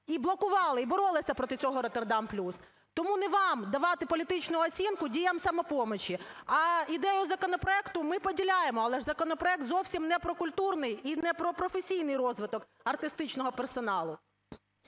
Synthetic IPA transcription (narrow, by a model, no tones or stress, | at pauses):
iblˠɔkʊʋɑlˠɪibɔɾɔlˠɪsʲɐpɾɔt̪ɪt͡sʲɔɦɔɾɔt̪erd̪ɑmplʲus | t̪ɔmunɛʋɑmd̪ɐʋɑt̪ɪpɔlʲit̪ɪt͡ʃnʊɔt͡sʲinkʊdʲijɐmsɐmɔpɔmɔt͡ʃiɐid̪ɛjʊzɐkɔnɔpɾɔɛkt̪ʊmɪpɔdʲilʲajemɔɐlˠɛʒzɐkɔnɔpɾɔɛk̚t̪zɔwsʲimnɛpɾɔkʊlʲt̪urnɪjinɛpɾɔpɾɔfesʲijn̪ɪjrɔzʋɪt̪ɔk | ɐrt̪ɪst̪ɪt͡ʃnɔɦɔpersɔnɑlˠʊ